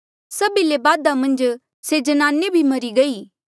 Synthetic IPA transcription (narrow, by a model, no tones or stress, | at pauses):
sɐbilebaːd̪amɐ̃nd͡ʒ | sed͡ʒɐnaːnebʱimɐɾiɡɐiː